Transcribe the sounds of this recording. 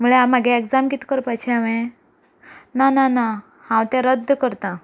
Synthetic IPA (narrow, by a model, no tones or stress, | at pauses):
muɭeamaɡeeɡd͡zamkit̪ʰi̥kəɾpajt͡ɕʰeaʋẽ | nanana | hãwt̪ɛ̃ɾəd̪ʱːkəɾt̪ã